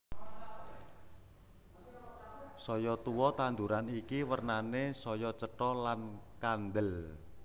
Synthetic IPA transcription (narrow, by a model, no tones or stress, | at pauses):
sɔjɔt̪uwɔt̪and̪uɾanikiwərnanesɔjɔt͡ʃəʈɔlankand̪əl